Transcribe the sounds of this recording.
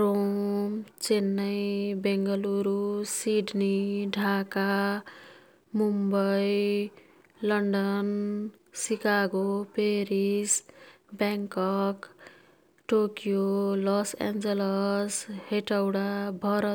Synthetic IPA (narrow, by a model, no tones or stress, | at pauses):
romt͡senːʌjbeŋɡʌluɾusiɖniɖʱaka | mumbʌj | lʌɳɖʌn | sikaɡopeɾis | baŋkʌk | ʈokijolɔsa̰nd͡zelʌsheʈʌwɽabʱʌɾʌ